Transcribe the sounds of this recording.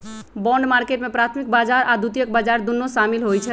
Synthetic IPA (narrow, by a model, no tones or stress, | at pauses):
bɔɳɖmaɾkeʈmepɾat̪ʰmik̚bad͡ʒaɾad̪ut̪ijək̚bad͡ʒaɾd̪unːosamilɦojt͡ʃʰɛ